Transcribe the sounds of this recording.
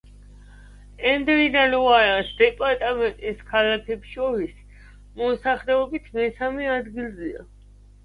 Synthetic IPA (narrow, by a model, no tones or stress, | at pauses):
ɛnd̪vid̪alɔaɾasd̪ɛpʼaɾt̪ʼamɛnt̪ʼiskʰalakʰɛpʃɔɾis | mɔsaχlɛɔbit̪ʰmɛsamɛad̪ɡilˠzɛa̰